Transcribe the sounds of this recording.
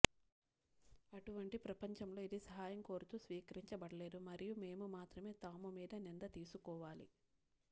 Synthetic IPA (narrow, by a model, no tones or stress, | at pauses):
ɐʈuʋɐɳʈipɾɐpɐɲt͡ʃɐmlo̞ːid̪isɐɦaːjɐŋko̞ːɾut̪uːsʋiːkɐɾiɲt͡ʃɐbɐɽɐle̞ːd̪umɐɾijume̞ːmumaːt̪ɾɐme̞ːt̪aːmumiːd̪ɐnind̪ɐt̪iːsukɔːʋaːlḭ